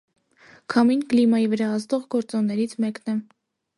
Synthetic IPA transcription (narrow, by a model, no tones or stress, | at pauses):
kʰɑminklimɑjivəɾɑɑzd̪ɔʁɡɔɾt͡sɔnnːɛɾit͡sʰmɛknɛ